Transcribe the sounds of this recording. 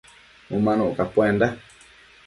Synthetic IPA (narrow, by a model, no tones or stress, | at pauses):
ũmãnũʔukapwẽnda